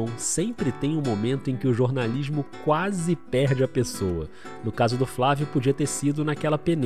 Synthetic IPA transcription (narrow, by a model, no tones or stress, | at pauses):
w̃sẽpɾɪt̪ẽj̃ʊ̃momẽnt̪ʊẽj̃kɪʊʒoɾnaliʒmʊkwazɪpɛɾd͡ʒɪɐpesowɐ | nʊkazʊd̪ʊflavjʊpod͡ʒiɐt̪eɾsid̪ʊnakɛlɐpen